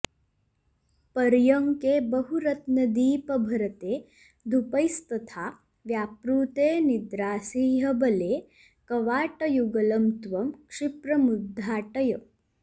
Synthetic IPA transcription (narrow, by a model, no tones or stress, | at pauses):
pɐɾjɐŋkeːbɐɦuɾɐt̪nɐd̪iːpɐbʱɐɾɐt̪eː | d̪ʱupɐjst̪ɐt̪ʰaː | ʋjaːpɾuːt̪eːnid̪ɾaːsiːɦɐbɐleː | kɐʋaːʈɐjuɡɐlɐmt̪ʋɐmkʂipɾɐmud̪ʱːaːʈɐjɐ